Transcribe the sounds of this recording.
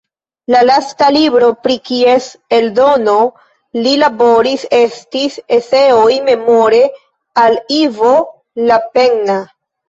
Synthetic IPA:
lalastalibɾo̞pɾikie̞seldo̞no̞ | lilabo̞ɾise̞stisese̞ojme̞mo̞ɾe̞ | alivo | lape̞ŋna

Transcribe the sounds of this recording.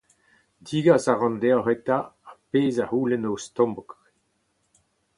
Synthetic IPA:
diːɡasaʁɑ̃nd̪ɛɦɛt̪aːpeːzahuːlɛnost̪ɔ̃mbɔk

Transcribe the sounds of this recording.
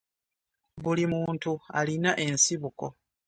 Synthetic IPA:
βulimuːntua̰linaʔe̞nsiβuko̞

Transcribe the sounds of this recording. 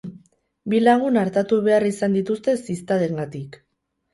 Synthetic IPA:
bilaɣ̞unaɾt̪at̪uβe̞arisand̪it̪ust̪e̞sist̪aðeŋɡat̪ik

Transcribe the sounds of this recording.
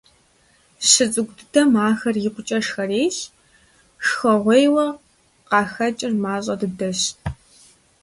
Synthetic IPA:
ɕɨt͡sʼɨɡʷʊdɨdɐmaːxɐrjɪqʷʊt͡ʃʼɐʂxɐreːɬ | ʂxɐʁʷejwɐ | qɑːxɐt͡ʃʼɪrmaːɕʼɐdɨdɐɕ

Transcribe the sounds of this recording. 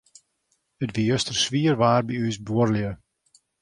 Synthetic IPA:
ətʋijøstərsʋiərʋaːrbiysbuərljə

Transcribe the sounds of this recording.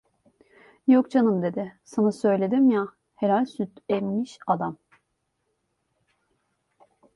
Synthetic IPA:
jok̚d͡ʒanɯmd̪e̞d̪ɪsanasø̞jlʲe̞d̪imja | he̞ɾalʲsyt̪emmiʃad̪am

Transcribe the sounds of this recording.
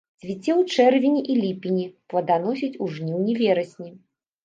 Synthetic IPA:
zʲvʲit͡sʲɛwt͡ʂɛrvʲinʲiʔilʲipʲinʲiplˠɐd̪anɔsʲit͡sʲuʐnʲiwnʲɛvʲɛɾɐsʲnʲi

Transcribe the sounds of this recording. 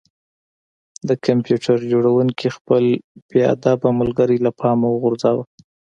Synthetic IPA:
d̪əkʰampjuʈʰaɾd͡ʒoɽawuŋkixpəlb̥ea̰d̪abamʊlɡəɾilapʰɑmawəɣʊɾzɑwa

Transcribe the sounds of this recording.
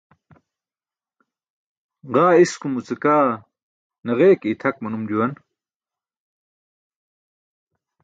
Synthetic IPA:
ʁaːiskumut͡sikaː | nɐʁeːkit̪ʰɐkmɐnumd͡ʑuwɐn

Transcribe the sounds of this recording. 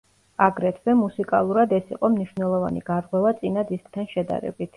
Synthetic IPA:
aɡɾɛt̪ʰvɛmusikʼa̰lˠuɾad̪ɛsḭqʼɔmniʃvnɛlˠɔva̰nḭɡ̥aɾqʼwɛvat̪sʼinad̪isk̚ʰʼt̪ʰanʃɛd̪a̰ɾɛ̰bit̪ʰ

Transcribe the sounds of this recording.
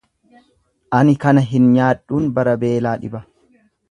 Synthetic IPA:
ʔɐnɪkɐnɐɦɪnɲaːᶑːuːnbɐɾɐbeːlaːᶑɪ̰bɐ

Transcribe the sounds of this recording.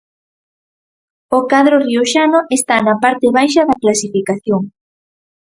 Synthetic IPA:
okaðɾoriuʃanoʔest̪anɐpaɾt̪eβajʃɐðɐklasifikaθjoŋ

